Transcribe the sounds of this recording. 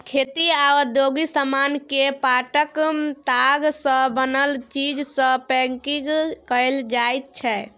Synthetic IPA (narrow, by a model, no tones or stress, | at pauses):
kʰet̪iad̪joɡisəmankepaʈəkt̪aɡsə̃bənəlt͡ʃid͡ʒsə̃pɛŋkiɡkəɪld͡ʒajt̪̚t͡ʃʰɛ